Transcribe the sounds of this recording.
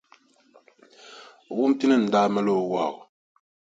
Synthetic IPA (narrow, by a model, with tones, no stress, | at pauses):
wu˦m˦ti˦nɨ˦n̩˨daː˦ma˦lo˦˨wa̰˨ɣʊ˨